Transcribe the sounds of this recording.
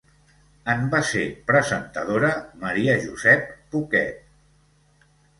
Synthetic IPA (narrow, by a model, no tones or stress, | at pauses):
əmbasepɾəzənt̪əðoɾəməɾiəʒuzɛpːukɛ̰t̪̚